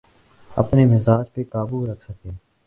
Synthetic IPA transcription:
ə̰pneːmɪzaːd͡ʒpeːkaːbuːɾəkʰsəkeː

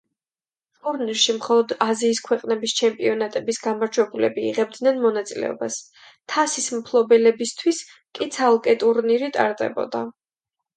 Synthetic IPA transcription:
t̪ʼuɾniɾʃimχɔlˠɔd̪aziːskʰwɛqʼnɛbist͡ʃʰɛmpʼiɔnat̪ʼɛbisɡamaɾd͡ʒwɛbulɛ̰bḭːʁɛb̚d̪nɛnmɔnat̪sʼilɛ̰ɔ̰bas | t̪ʰasismpʰlˠɔbɛlɛbist̪ʰwis | kʼit̪sʰalˠkʼɛt̪ʼuɾniɾit̪ʼa̰ɾd̪ɛ̰bɔ̰d̪a

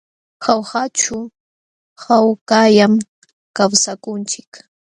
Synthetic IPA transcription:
xawhat͡ʃʊ | hawkajam | kawsakʊnt͡ʃɪk

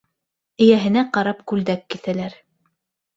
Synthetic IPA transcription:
ɘ̆jæɦɘ̆næqɑɾɑpkʉld̪ækːiθælæɾ

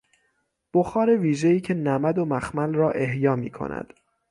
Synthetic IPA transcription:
b̥oxɒːɾeviːʒeiːcʰe̞næmæd̪o̞mæxmælrɒːʔe̞ɦjɒːmḭːkʰo̞̰næ̰d̪̥

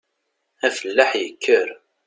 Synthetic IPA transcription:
æfəlːaħjəkʰːəɾ

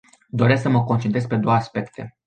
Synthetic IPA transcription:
d̪o̞ɾesksəməko̞nt͡ʃent̪ɾespe̞d̪o̞waaspe̞kt̪ʰe̞̰

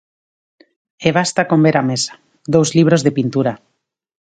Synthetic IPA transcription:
eβ̞ast̪akombeɾamesḁ | d̪owzliβ̞ɾozðepint̪uɾa

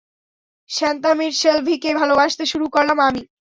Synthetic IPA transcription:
ʃant̪amiɾʃelbʱikebʱalobaʃt̪eʃuɾukoɾlamami

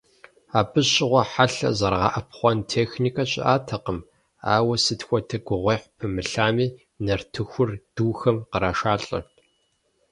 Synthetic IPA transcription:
aːbɨɕʼɪʁʷɔħaɬɐ̰zɐrʁɑ̰ːʔɐp̚χʷɔntʰeːxniːkʰɐɕʼɪ̰ʔaːtʰɐqəm | a̰ːwɐsɨtxʷɔtʰɐɡʷʊʁʷeːħpʰɨmɨɬaːmiː | nɐrtʰɨxʷʊrd̥uːxɐmqəɾaːʃaːɬʼɐ̰

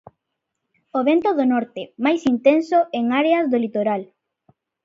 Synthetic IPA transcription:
oβent̪oðonɔɾt̪emajsint̪ensoeŋaɾeazðolit̪oɾal

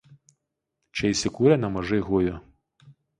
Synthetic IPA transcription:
t͡ʃɛjsʲɪkuɾʲɛnɐmɔʒɪɦujʊ

